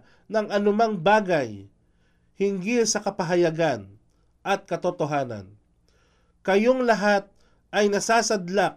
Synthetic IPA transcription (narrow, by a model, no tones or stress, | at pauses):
nɐŋɐnʊmaŋbaːɡaj | hɪŋɡisɐkɐpɐɦɐjɐɡan | ʔɐt̪̚kɐt̪ot̪oɦaːnɐ̰n | kɐjoŋlɐɦat̪̚ | ʔɐjnɐsaːsɐd̪lak̚